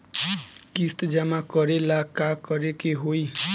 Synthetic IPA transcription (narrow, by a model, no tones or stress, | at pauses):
kist̪d͡ʒamakəɾelakakəɾekeɦoi